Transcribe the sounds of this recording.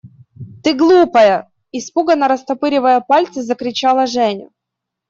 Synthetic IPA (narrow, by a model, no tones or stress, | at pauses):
t̪ɨɡlˠupɐjə | ɪspuɡənɐɾəst̪ɐpɨɾʲɪvəjəpalʲt̪sɨzəkɾʲɪt͡ɕalˠɐʐɛnʲʊ̰